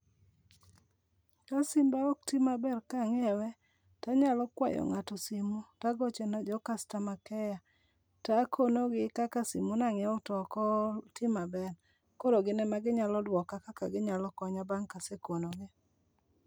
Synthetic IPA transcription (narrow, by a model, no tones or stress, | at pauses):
kasimbaok̚timabɛrkaŋɛwɛ | taɲalɔkwajɔ̰ŋatɔsimutaɡɔt͡ʃenɔd͡ʒɔkastamakɛja | takʰonoɡɪkakasḭmunaŋɛɔtɔkɔtɪmabɛr | koɾoɡɪnɛmaɡɪɲalɔdwɔkakakaɡɪɲalɔkɔɲabaŋkasekonoɡɪ